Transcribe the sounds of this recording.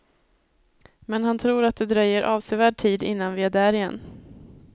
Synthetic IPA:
mɛnhant̪ʰɾuːɾat̪̚d̪ɛd̪ɾœjːəɾʔɑːvsɛvæːɖ̚ʈʰiːd̪ɪ̰nːanvɪæɖæːɾɪjɛ̰nː

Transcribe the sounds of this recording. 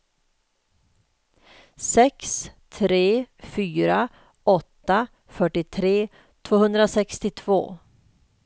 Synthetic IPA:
sɛkst̪ʰɾeːfyːɾa | ɔt̪ːa | fœʈːɪt̪ʰɾeː | t̪ʰv̥oːhɵnd̪ɾasɛkst̪ɪt̪ʰv̥o̰ː

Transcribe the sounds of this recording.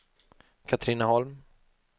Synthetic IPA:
kʰat̪ʰɾɪnahɔlm

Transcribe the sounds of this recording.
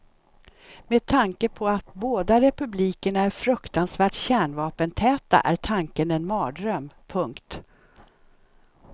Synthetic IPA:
meːd̪̚t̪ʰaŋkəpʰɔat̪̚boːd̪aɾɛpɵbliːkəɳaæɾfɾɵkt̪ansvæːʈɕæːɳvɑːpənt̪ʰɛːt̪a̰ʔæʈʰaŋkənɛnmɑːd̪ɾœmpʰɵŋkt̪

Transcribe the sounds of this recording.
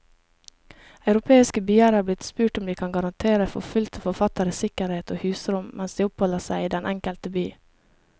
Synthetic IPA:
ɑʉɾʊpʰeːɪskəbyːəɾəhæːblɪt̪spʉːʈʊmd̪iːkʰɑnɡɑɾɑnt̪ʰeːɾəfɔ̰fʉlt̪fɔɾfɑt̪əɾəsɪkəɾheːt̪ʰoːhʉːsɾʊmmʔɛnsd̪iːʊphɔləsæɪiːd̪ɛnʔɛŋkəlt̪əbyː

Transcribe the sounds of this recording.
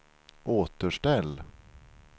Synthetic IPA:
ʔoːt̪əʂʈɛlː

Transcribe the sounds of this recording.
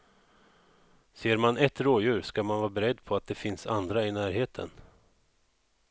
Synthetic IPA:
seːɾmanɛt̪ɾoːjʉ̟ːɾskamanvɑːbɛɾɛd̪ːpʰɔat̪̚d̪ɛfɪnsand̪ɾaɪnæːɾɦeːt̪ʰə̰n

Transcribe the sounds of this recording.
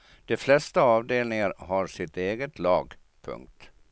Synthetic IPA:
d̪̥ɛflɛst̪aɑːvd̪eːlnɪŋaɾɦaɾʂɪt̪eːɡət̪ʰlɑːɡ | pʰɵ̰ŋk̚t̪

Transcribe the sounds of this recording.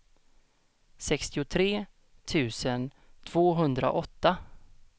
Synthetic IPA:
sɛkst̪ɪʊt̪ʰɾeː | t̪ʰʉ̟ːsən | t̪ʰv̥oːɦɵnd̪ɾa̰ʔɔt̪ːa

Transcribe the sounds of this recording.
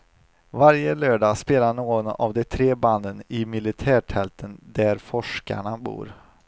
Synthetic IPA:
vaɾjəløːɖɑːspeːlaɳoːɡɔna̰vd̪ɛt̪ʰɾeːband̪ənɪmɪlɪt̪ʰæːʈʰɛlt̪ʰənd̪æɾfɔʂka̰ɳabṵːɾ

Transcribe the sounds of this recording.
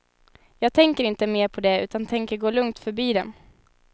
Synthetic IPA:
jɑːɡ̚t̪ʰɛŋkəɾɪnt̪əmeːɾpʰɔd̪ɛʉ̟ːt̪ant̪ʰɛŋkəɾɡoːlɵŋt̪fœɾbiːd̪ɛ̰m

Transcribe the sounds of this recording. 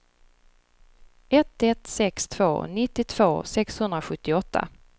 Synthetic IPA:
ɛt̪ːɛt̪sɛkst̪ʰv̥oːnɪt̪ːɪt̪ʰv̥oːsɛkshɵnd̪ɾaɧɵt̪ːɪɔt̪ːa̰

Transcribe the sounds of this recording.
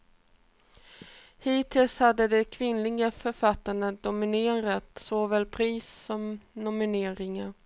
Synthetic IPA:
hiːt̪ʰɪlshad̪ːəd̪ɛkʰvɪnlɪɡafœɾfat̪ːaɳəd̪ʊmɪneːɾat̪soːvɛlpʰɾiːsːɔmnʊmɪneːɾɪŋaɾ

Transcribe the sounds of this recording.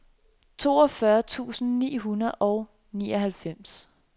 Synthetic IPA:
t͡sʰo̝̰ːɒfɶɐt͡sʰṵːsn̩nḭːɦunɐð̩ˠʔɒ̽ʊ | niːɒɦælfem̰s

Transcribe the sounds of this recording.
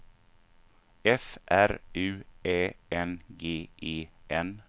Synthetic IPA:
ɛfʔæɾʉ̟ːeːɛnɡeːʔeːʔɛn

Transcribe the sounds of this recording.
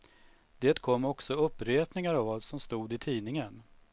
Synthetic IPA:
d̪eːt̪kʰɔmːɔksɔɵpːɾeːpnɪŋaɾavasɔmst̪uːd̪ɪt̪ʰiːnɪŋən

